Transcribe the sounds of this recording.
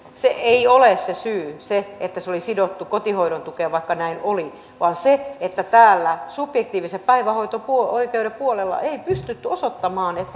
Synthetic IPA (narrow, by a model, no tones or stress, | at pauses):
seʔeiolessesyːseet̪ːæsolisidot̪ːukot̪ihoiɾont̪ukeʋɑikːɑnæinʔoli | ʋɑːnseet̪ːæt̪æːlːæsupjekt̪iːʋiseppæiʋæhoit̪opuooikeuɾeppuolelːɑ̰ʔeipyst̪yt̪ːyosot̪ːɑmɑːnet̪ːæ